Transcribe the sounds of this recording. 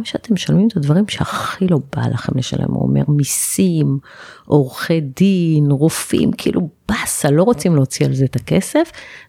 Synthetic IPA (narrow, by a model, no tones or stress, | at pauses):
mʃeat̪e̞mʃalmimet̪advaʁimʃeaχilo̞ba̰lʔaχe̞mleʃa̰lḛmṵo̰mḛʁmisim | ʔo̞ʁχe̞dinʁufḭmkʰiiːlʔub̥asalo̞ʁot͡simleot͡sialzeːt̪ake̞̰se̞f